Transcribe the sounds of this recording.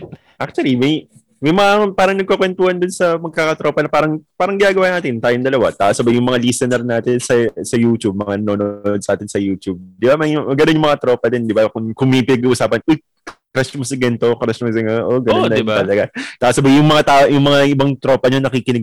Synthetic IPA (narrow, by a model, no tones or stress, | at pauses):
ʔak̚t͡ʃʊwɐlimɐj | mɐjmɐŋapaːɾɐŋnɐɡ̚kokwɛnt̪uːhɐnd̪ʊnsɐmɐɡ̚kaːkɐt̪ɾo̞ːpɐnɐpaːɾɐŋpaːɾɐŋɡɪnaːɡɐwaːnaːt̪ɪnt̪aːjoŋd̪ɐlɐwa̰t̪aːʔosɐbajʊŋmɐŋalisɛnɛɾnaːt̪ɪnsɐsɐjuːt̪ub̚mɐŋanoːnoʔod̪̚saːt̪ɪnsɐjuːt̪ub̚d̪ɪbamɐjɡɐnonjʊŋmɐŋat̪ɾo̞ːpɐd̪ɪnd̪ɪbakʊŋkʊŋmepɪnɐɡuʔusaːpɐnʔoj | kɾɛsmosɪɡɛnt̪o̞kɾɛsmos̬ɛŋoʔoɡɐnonːɐt̪ɐlɐɡat̪aːʔosɐbajʊŋmɐŋat̪aojʊŋmɐŋaʔɪbaŋt̪ɾo̞ːpɐɲonɐkikɪnɛɡ